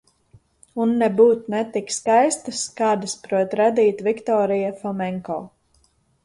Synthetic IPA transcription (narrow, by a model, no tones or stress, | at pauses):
unːɛbuːt̪nɛt̪ikskajst̪askaːd̪aspɾuɔt̪ɾad̪iːt̪vikt̪ɔːɾijafˠɔmɛŋkɔ̰ː